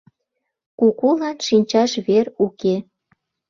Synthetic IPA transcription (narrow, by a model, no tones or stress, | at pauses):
kukulɑnʃinʲt͡ɕɑʃβeruke